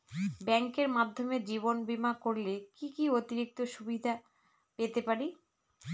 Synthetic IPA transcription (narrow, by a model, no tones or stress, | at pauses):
bɛŋkeɾmad̪ʱːomed͡ʑiβonbimakoɾlekikiot̪iɾik̚t̪oʃubid̪ʱa | pet̪epaɾi